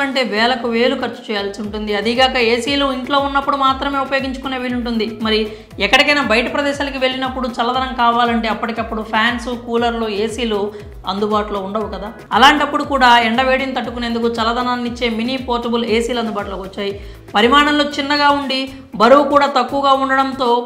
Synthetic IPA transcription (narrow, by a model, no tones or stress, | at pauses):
ɐɳʈe̞ːʋɛːlɐkuʋe̞ːlukɐɾt͡ʃːu̥t͡ʃɛːjaːlsiuɳʈund̪iɐd̪iɡaːkɐeːsiːluiɳʈlo̞ːunːɐpːuɽumaːt̪ɾɐme̞ːupɐjo̞ːɡiɲt͡ʃu̥kuneːʋiːluɳʈund̪imɐɾi | ɛkːɐɽikɐjnaːbɐjɐʈɐpɾɐd̪ɛːʃaːlɐkiʋe̞ɭːinɐpːuɽut͡ʃɐlːɐd̪ɐnɐmkaːʋaːlɐɳʈe̞ːɐpːɐʈikɐpːuɽupʰjaːnsukuːlɐɾloːe̞ːsiːloː | ɐnd̪ubaːʈuloːuɳɖɐʋukɐd̪aː | ɐlaːɳʈɐpːuɽukuːɽaːeɳɖɐʋe̞ːɽint̪ɐʈːukune̞ːnd̪uk̬ut͡ʃɐlɐd̪ɐnaːnːit͡ʃːe̞ːminipoːʈɐbule̞ːsiːlɐnd̪ubaːʈuloːkʋɐt͡ʃːaːji | pɐɾimaːɳɐmloːt͡ʃinːɐɡaːuɳɖi | bɐɾuwkuːɽaːt̪ɐkːuʋɐɡaːuɳɖɐɽɐnt̪o̞ː